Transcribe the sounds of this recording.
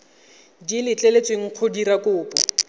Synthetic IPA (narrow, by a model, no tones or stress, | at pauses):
dilɪt͡ɬʼelet͡sʼweŋ̩q͡χʰodiɾakʼʊːpɔ